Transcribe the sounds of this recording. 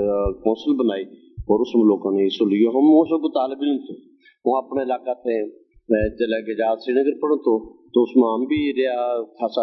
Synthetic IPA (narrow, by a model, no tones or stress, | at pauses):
kɔ̃ːnsəlbənaːiː | ɔːɾʊsmːloːkãːnẽsʊlɪjoːɦəmõːsoɡot̪aːlbɪlnt̪ʰoː | õːəpneːɪlaːkaːt̪ʰeː | t͡ʃəlɛːɡed͡ʒaːsɾiːnəɡəɾpəɽ̃õːt̪ʰoːt̪oːʊsmaːmbiːɾeaːkʰaːsa